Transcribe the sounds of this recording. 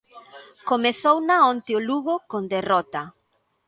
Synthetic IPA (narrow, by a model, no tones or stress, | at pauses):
komeθownaɔnt̪eoluɣokond̪erɔt̪a